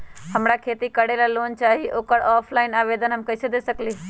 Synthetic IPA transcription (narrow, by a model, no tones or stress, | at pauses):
həmɾakʰeːt̪ikəɽelaloːnt͡ʃaːɦiʔoːkəɾɔːpʰlaːɪnaːʋed̪ənɦəmkəɪsed̪esəkli